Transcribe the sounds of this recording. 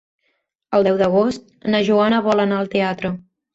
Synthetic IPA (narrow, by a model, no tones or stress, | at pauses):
əlˠd̪ɛwd̪əɣ̞ost̪̚ | nəʒuanəβ̞ɔlənaəlˠt̪eat̪ɾə